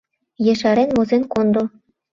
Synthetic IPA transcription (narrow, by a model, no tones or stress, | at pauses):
jĕʃɑɾenmozenkond̪o